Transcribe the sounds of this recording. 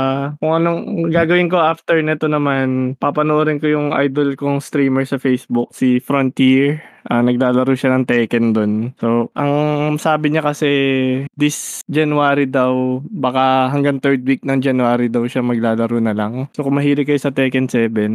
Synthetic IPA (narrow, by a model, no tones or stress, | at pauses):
akʊŋʔɐnoɡaːɡɐwɪnko̞ʔaft̪ɛɹnɛt̪o̞nɐmanpapɐnoʔoɾɪnkojʊŋʔa̰jd̪olkoŋst̪ɾiːmɛɹsɐfejsbʊk̚sifɾont̪iɹʔanɐɡ̚laːlɐɾuːʃɐnɐŋt̪ɛːkɛnd̪onso̞ʔɐŋsaːbɪɲakɐsɛd̪ɪsd͡ʒɐnʊaːɾid̪ɐwbɐkaɦɐŋɡɐŋt̪ɛɹd̪̚wik̚nɐŋd͡ʒɐnuaːɾid̪ɐwʃamɐɡ̚laːlɐɾuːnɐlɐŋsokʊŋmɐɦiːɾɪtkːɐjosɐt̪ɛːkɛnsɛːbɛn